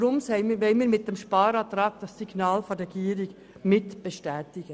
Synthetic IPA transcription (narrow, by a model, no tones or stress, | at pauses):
ɾʊmsɛɪmʋɛɪnmiːɾmɪt̚d̥ɛmʃpɑːɾɑːt̪ɾɑːɡ̚d̥ɑsːiɡnɑːlfɔɾɛɡiːəɾɪɡ | mɪtb̥eʃtɛːtɪɡ̥ə